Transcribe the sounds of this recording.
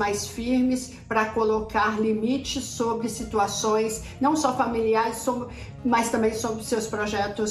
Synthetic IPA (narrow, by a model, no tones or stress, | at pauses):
majsfiɾmɪs | pɾɐkolokaɾlimit͡ʃɪsːobɾɪsit̪uasõj̃s | nɐ̃w̃sɔfamiliaɾɪso | mɐst̪ɐ̃mbẽj̃sobɾɪsewspɾoʒɛt̪ʊs